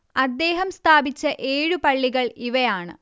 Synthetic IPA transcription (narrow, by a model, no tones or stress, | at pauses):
ɐd̪ːe̞ːɦɐmst̪ʰaːbit͡ɕːɐʔe̞ːɻupɐɭːiɣɐɭiʋɐjaːɳɨ̰